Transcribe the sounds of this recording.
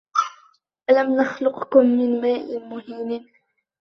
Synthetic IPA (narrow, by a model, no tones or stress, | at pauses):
ʔalamnaxlʊqkʊmːɪnmaːʔɪnmʊhiːn